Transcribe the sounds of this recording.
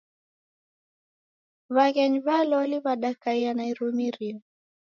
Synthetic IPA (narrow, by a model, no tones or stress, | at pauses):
βaɣɛɲβalɔliβaɗakaianaiɾumiɾiɔ